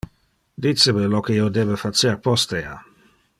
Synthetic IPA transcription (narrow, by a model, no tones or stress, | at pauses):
d̪isebelokeiod̪ebefat͡ʃerpɔst̪ea